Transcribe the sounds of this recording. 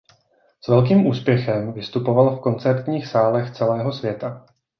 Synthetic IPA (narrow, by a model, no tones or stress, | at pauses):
svɛlk̬iːmʔuːspjɛxɛmvɪst̪upo̞valfko̞nt͡sɛɾt̪ɲiːxsaːlɛxt͡sɛlɛːɦo̞svjɛt̪a